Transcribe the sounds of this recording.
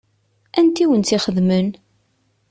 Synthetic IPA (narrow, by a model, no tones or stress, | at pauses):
ænt̪iwənt͡s̪iχəðmən